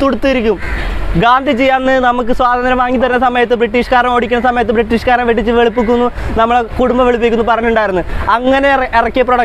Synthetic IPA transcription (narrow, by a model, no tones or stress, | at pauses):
t̪uɽut̪ːuiɾikʲːumɡaːnd̪ʱit͡ɕejːaːnːɨnɐmukːɨswaːd̪ɐnd̪ɾɐmʋaːŋːit̪̬ːɐɾinːɐsɐmɐjɐt̪ːɨbriʈːiːʂkaːɾɐmo̞ːɽikʲːunːɐsɐmɐjɐt̪ːɨbriʈːiːʂkaːɾɐmʋeʈ̬ːit͡ɕːɨʋeɭupːik̬ʲːunːunɐmːɐɭkuɽumbɐʋe̞ɭup̬ːikʲːunːupɐrɐɲːuɳɖaːjiɾunːuɐŋːɐne̞erɐkːep̬roɽɐ